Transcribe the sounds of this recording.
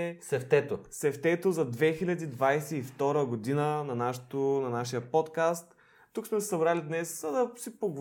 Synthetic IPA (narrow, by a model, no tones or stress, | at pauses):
sɛft̪ɛt̪osɛft̪ɛt̪ozɐd̪vɛxilʲɐd̪id̪vajsɛift̪ɔɾəɡod̪inənɐnaʃo̥t̪onɐnaʃijəpɔt̪kast̪ː | uksmɛsɐbɾalid̪nɛszɐd̪ɐsipoɡo